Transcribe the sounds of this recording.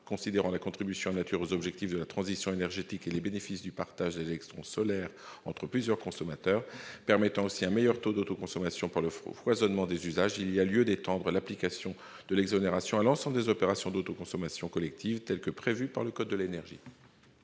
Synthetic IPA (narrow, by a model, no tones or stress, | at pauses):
kɔ̃sid̪eʁɑ̃lakɔ̃t̪χibysjɔ̃anat̪yʁozɔbʒɛk̚t̪ifd̪əlat̪χɑ̃zisjɔ̃enɛʁʒet̪ikelebenefisd̪ypaʁt̪aʒd̪elɛkt̪χɔ̃sɔlɛʁɑ̃t̪χəplyzjœʁkɔ̃sɔmat̪œːʁpɛʁmɛt̪ɑ̃osiɛ̃mejœʁt̪od̪ot̪okɔ̃sɔmasjɔ̃paʁləfwazɔnmɑ̃d̪ezyzaʒilialjød̪et̪ɑ̃d̪ʁəlaplikasjɔ̃ | d̪əlɛɡzɔneʁasjɔ̃alɑ̃sɑ̃bləd̪ezɔpeʁasjɔ̃d̪ot̪okɔ̃sɔmasjɔ̃kɔlɛk̚t̪ʰivt̪ɛlkəpχevypaʁləkɔd̪ːəlenɛʁʒḭ